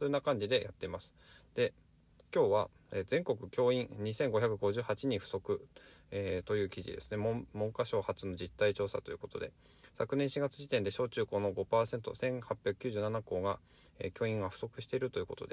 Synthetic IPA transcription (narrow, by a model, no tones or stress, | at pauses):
soːjonːakãɲ̟d͡ʑid̪e̞jat̪ːe̞imasɨ̥d̪̥e̞ | kʲo̞ːβa | ezẽ̞ŋko̞k̬ɯ̟kʲo̞ːĩnɲisẽ̞ŋɡo̞çakɯ̟ɡo̞ʑɨːhat͡ɕiɲ̟iɸɯ̟̥so̞kɯ̟eːt̪o̞jɯ̟ːkʲiʑḭd̪e̞sɨ̥ne̞mmõ̞ŋkaɕo̞ːhat͡sɨno̞d͡ʑit̪ːait͡ɕo̞ːsa̰t̪o̞jɯ̟ko̞t̪o̞̰d̪e̞̰ | sakɯ̟nẽɰ̃ɕiɡat͡sɨʑit̪ẽ̞nd̪e̞ɕo̞ːt͡ɕɨːko̞ːno̞ɡo̞paːsẽ̞nt̪o̞̰sẽ̞ŋ̃hapʲjakɯ̟̥kʲɨːʑɨːnanako̞ːɡa | ḛkʲo̞ːĩŋɡaɸɯ̟̥so̞kɯ̟ɕi̥t̪e̞iɾɯ̟t̪o̞jɯ̟ko̞t̪o̞d̪e̞